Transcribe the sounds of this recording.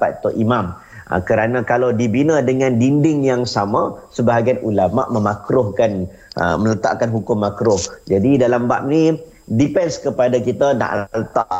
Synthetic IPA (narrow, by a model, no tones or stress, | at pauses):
pa̰t̪t̪ʊʔimam̰ | kəɾanãkalawdibinədəŋãndindɪŋjaŋsamasəbaɦaɡianʔulama̰ʔməmakɾʊhkan̰ | mələt̪a̰ʔkanɦukʊmːakɾʊhd͡ʒadidalambaʔ̚ni | dipɛnskəpadakit̪ana̰ʔlət̪aʔ